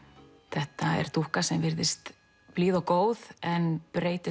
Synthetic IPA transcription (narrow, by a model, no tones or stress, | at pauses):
θɛht̪aɛ̰ɾ̥t̪uhkasɛmvɪɾðɪst̪ | pliːðawkoːwðɛnpɾeːjt̪ɪ